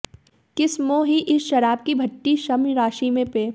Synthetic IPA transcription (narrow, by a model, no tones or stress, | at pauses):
kɪsmõɦiʔɪsʃɐɾaːb̚kibʱɐʈːiʃɐmɾaːʃimẽpeː